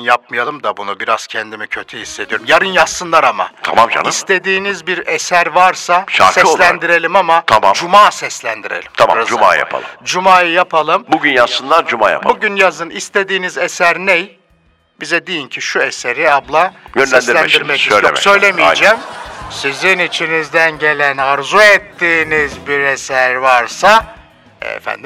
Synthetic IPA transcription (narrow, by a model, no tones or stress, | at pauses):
njap̚mɯjalˠɯmd̪abunubiɾaz̥cʰɛnd̪imicʰø̞t̪ʰyhisːed̪ijo̞ɾumjaɾɯnjasɯnlˠaɾama̰t̪ʰa̰mamd͡ʒa̰nist̪ʰe̞d̪iːnizbiɾesæɾvaɾsaʃa̰ɾksɛslʲænd̪iɾe̞lʲimamat̪ʰamad͡ʒumaːsɛslʲænd̪iɾḛlʲi̥mt̪ʰaɾazuma̰ːjja̰pʰa̰lˠɯd͡ʒumaːjɯjapʰalˠɯmbuɟynjasɯnlˠaɾd͡ʒuma̰ːja̰pbbuɟynjazɯnist̪ʰe̞d̪iːnizesæɾnej | bizɛd̪ejincʰiʃueseɾiablˠajønsæɛnsd̪iɾlʲæd̪iɾmɛcijoesø̞jlʲemijd͡ʒɛːmsizinit͡ʃʰinizd̪ænɟe̞lʲænaɾzuet̪ʰːiːnizbiɾesæɾvaɾsa | ɛ̰ɛ̰fæ̰nd̪im